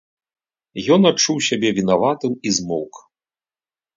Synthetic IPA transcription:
jɔnat͡ʂːuwsʲabʲɛvʲinavat̪ɨmizmɔ̰wk

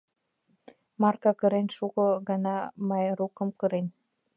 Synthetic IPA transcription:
mɑrkɑkɤ̆ɾenʲʃukɤ̆ɣɑnɑmɑjɾukə̆mkɤ̆ɾenʲ

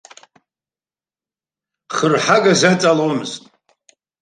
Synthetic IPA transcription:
χərħaɡazat͡sʼalowmɨztʼ

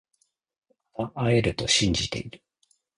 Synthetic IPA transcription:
aaʔae̞ɾɯ̟t̪o̞ɕĩɲ̟d͡ʑit̪e̞̰iɾɯ̟

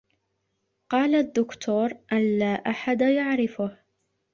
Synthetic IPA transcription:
qɑːlad̪ːʊkt̪ʰuːɾˤʔanlaːʔaħad̪ajaʕɾɪfʊh

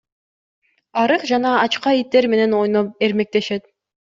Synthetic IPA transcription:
ɑɾɯqd͡ʒɑnɑɑt͡ʃqɑit̪ːe̞ɾme̞ne̞no̞jnop̚e̞ɾme̞k̚t̪e̞ʃe̞t̪

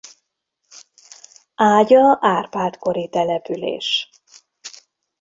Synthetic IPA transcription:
aːɟɒaːrpaːlt̪koɾit̪ɛlɛpylḛːʃ

